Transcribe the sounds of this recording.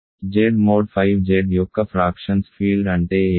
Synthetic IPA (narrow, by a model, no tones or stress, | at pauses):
d͡ʒeːɖmoːɖfʰaɪʋd͡ʒeːɖjoːkːəfɾaːkʃənsfiːlɖɐɳʈeː